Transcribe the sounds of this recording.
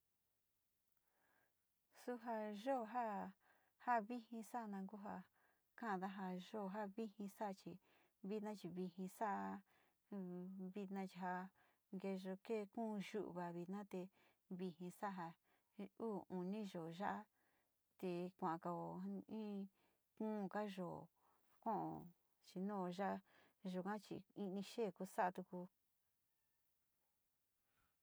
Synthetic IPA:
su˧ɦa˧ʒo˦˧ɦa˦ | ha˦βi˦hĩ˧sa˦˧nã˧ku˦ɦa˧ | kã˦˧ða˦ɦa˧ʒo˦˨˧ɦa˦βi˦hĩ˧sa˦˧t͡ʃi˧ | βi˦t̪nã˦t͡ʃi˧βi˧hĩ˧sa˦˧ | βi˧t̪nã˧t͡ʃi˧ɦa˧ | ŋɡe˧ʒo˧ke˦˧kũː˦˧ʒu˦ʔβa˨βi˧t̪nã˦t̪e˧ | βi˧hĩ˧sa˦ɦa˧ | uː˦˨u˨nĩ˦ʒo˨ʒa˦ʔa˦ | t̪e˧kʷã˨ʔã˨˧ka˧o˨ĩ˦ | kũː˦˧ka˦ʒo˨ | kõ˦ʔõ̰˨ | t͡ʃi˧nũ˦o˧ʒa˦ʔa˦ʒu˨kã˦t͡ʃḭ˧i˧nĩ˧ʃeː˦˨ku˧sa˦ʔa˧t̪u˧ku˧

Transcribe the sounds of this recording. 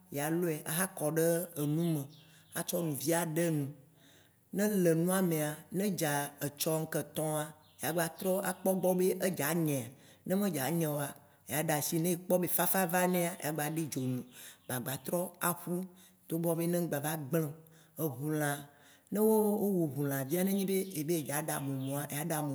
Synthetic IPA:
ja˨lo˦ɛ˨ʔa˨˦ɦa˦kɔ˨ɖe˦e˨nũ˦mẽ˨ | a˨t͡ʃɔ˦nũ˨vi˦a˨ɖe˦nũ˨ | nɛ̃˦le˨nũ˦a˦mẽ˨a˨nɛ̃˦d͡ʒa˨e˨t͡ʃɔ˦ŋ̩˦kə˨t̪ɔ̃˦a˨ | ja˨ɡ͡ba˨t̪ɾɔ˦a˦k͡pɔ˦ɡ͡bɔ˦be˦ʔe˦d͡ʒa˨ɲɛ̃˨a˨ | nɛ̃˦mẽ˦d͡ʒa˨˦ɲɛ̃˨wo˨˦a˨ | e˨a˦ɖa˨si˦nɛ̃˦e˨k͡pɔ˦be˦fa˦fa˦va˦nẽ˦a˨ḛ˨a˨ɡ͡ba˨ɖi˦d͡ʒo˨nũ˨ɡ͡ba˨ɡ͡ba˨t̪ɾɔ˦a˨ɸu˦ | d̪̥o˦ɡ͡bɔ˦be˦nɛ̃˦ɡ͡ba˨va˦ɡ͡blɛ̃˦ | e˨ɦu˨l̃ã˨ | nɛ̃˦wo˦wo˦wo˨ɦu˨l̃ã˨vi˦a˦nẽ˦ɲĩ˦be˦e˨be˦˨d͡ʒa˨˦ɖa˨mẽ˨mõ˨a˨ʔe˨ja˦ɖa˨mẽ˨

